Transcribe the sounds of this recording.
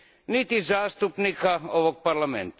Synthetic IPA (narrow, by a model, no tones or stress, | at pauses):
nit̪izɑːst̪upnikɑoʋok̚pɑrlɑmḛnt̪i̥